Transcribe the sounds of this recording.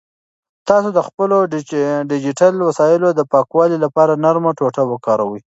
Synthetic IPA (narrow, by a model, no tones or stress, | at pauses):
t̪ɑsod̪əxpəloɖɖɪd͡ʒiʈalwasɑjɪlod̪əpɑkwɑlilapɑɾanaɾmaʈoʈawəkɑɾawəj